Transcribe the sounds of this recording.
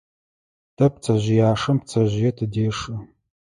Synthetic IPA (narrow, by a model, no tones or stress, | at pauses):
tʰɐp̚t͡sʰɐʑɪjaːʂɐmp̚t͡sʰɐʑɪjɛtʰɨdeːʂɨ